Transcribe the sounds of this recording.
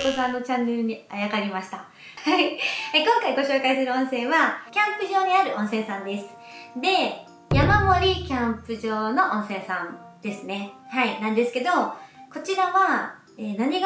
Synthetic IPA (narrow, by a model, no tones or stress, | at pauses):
kosãnːot͡ɕãnːe̞ɾɯ̟ɲ̟iajakaɾʲimaɕi̥t̪a | haiekõŋkaiɡo̞ɕo̞ːkaisɨɾɯ̟õ̞ɰ̃sẽ̞ɰβakʲãmpɯ̟ʑo̞ːɲ̟iaɾɯ̟ʔõ̞ɰ̃sẽ̞ɰ̃sãnd̪e̞sɨ̥ | d̪e̞ | jamamo̞ɾʲikʲãmpɯ̟ʑo̞ːno̞ʔõɰ̃sẽ̞ɰ̃sãnd̪̥e̞sɨne̞hainãnd̪e̞sɨ̥ke̞d̪o̞ko̞t͡ɕiɾaβa | eːnaɲ̟iɡ